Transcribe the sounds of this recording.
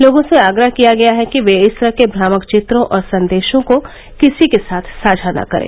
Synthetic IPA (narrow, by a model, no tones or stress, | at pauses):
loːɡõseaːɡɾəɦkijaɡɐjaɦɛkiʋeɪsɾəkebɾaːməkt͡ʃɪt̪ɾõʔɔːɾsɐ̃nd̪eːʃõko | kɪsikesaːt̪ʰsaːd͡ʒʱana̰kɐɾḛː